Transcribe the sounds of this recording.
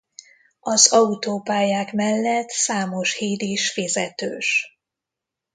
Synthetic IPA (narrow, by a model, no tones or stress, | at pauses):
ɒzɒut̪oːpaːjaːkmɛlːɛt̪saːmo̞ʃhiːd̪iʃfizɛt̪øːʃ